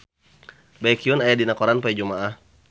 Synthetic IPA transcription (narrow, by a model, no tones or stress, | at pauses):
bajkiʊnajadinakɔɾanpaɛd͡ʒumaʔah